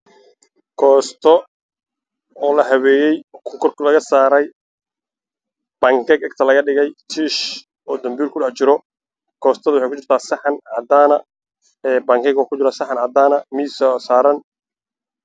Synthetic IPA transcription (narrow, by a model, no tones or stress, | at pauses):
kʰɔːst̪ʰɔ | ɔːlɐɦɐβɛːjɛjkʰɔkʰɔrkʰɐlɐɣɐsaːɾɛj | b̥ɐŋkʰɛɡɛɡ̚t̪ʰɐlɐɣɐɖɪɣɛjt͡ʃ̪ʰiːʃ | ɔːd̪ɐmbiːlkʰʊɖɑħt͡ʃɪɾɔ | kʰɔːst̪ʰɐðʊwɑħɑjkʰʊt͡ʃɪrt̪ʰaːsɑħɑnʕɑd̪aːnɐ | ɛːbɐŋkʰɛɡwkʰʊt͡ʃɪɾaːsɐħɑnʕɐd̪aːnɐmiːsɔsaːɾɐn